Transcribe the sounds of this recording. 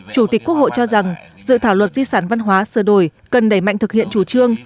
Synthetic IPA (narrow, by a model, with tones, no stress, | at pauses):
t͡ɕu˧˩t̪i˨˩k̟̚ku˦˥ək̚ho̰˧˨jt͡ɕɔ˧za˨˩ŋ | zɨ̰˧˨t̪ʰaː˧˩wlwə˨˩t̚zi˧saː˧˩nva˧nɦwaː˨˦sɨ˧˩əɗo˧˩jkə˨˩nɗə˧˩jma̰˧˨jŋt̪ɨ˨˩k̚hḭ˧˨ənt͡ɕu˧˩t͡ɕɨ˧əŋ